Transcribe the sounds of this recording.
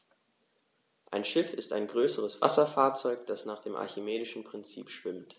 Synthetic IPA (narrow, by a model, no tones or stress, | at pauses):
ʔaɪnʃɪfɪsta̰ɪnɡʁøːsəʁ̞əsv̥a̰sɐfaːɐt͡sɔʏkd̥asnaːχd̥eːmʔa̰ɐçɪmeːdɪʃn̩pʁ̥ɪnt͡sḭːpʃv̥ɪmt